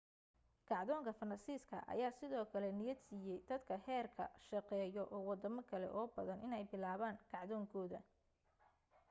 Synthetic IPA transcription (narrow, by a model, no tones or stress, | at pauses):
kʰɑʕðɔːŋkʰɐfɐrɐsiːskʰɐ̰ʔɐ̰jaːsɪðɔːkʰɐlɛnɪjɐd̪siːjɛjd̪̥ɐd̪kʰɐhɛːrkʰɐ̰ʃɐqɛːjɔʔɔːwɑd̪ɐmɐkʰɐlɛ̰ʔɔːbɐðɐnʔɪnɛjbɪlaːβaːŋkʰɑʕðɔːŋkʰɔːðɐ